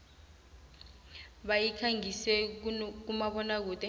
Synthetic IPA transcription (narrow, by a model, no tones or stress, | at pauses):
ɓajikʰaŋisɛk̬umaɓɔnak̬uːtʼɛ